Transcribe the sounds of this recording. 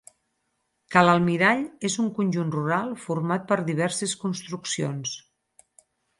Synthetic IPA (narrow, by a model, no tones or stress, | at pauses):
kaləlˠmiɾaʎezuŋkunʲʒunruɾalˠfuɾmat̪̚pəɾðiβ̞ɛɾseskunst̪ɾuksions